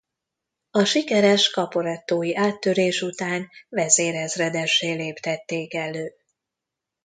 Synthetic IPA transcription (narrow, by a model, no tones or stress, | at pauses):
ɒʃikɛɾɛʃkɒpoɾɛt̪ːoːjiʔaːt̪ːøɾeːʃut̪aːnvɛzeːɾɛzrɛd̪ɛʃːeːleːpt̪ɛt̪ːeːkɛløː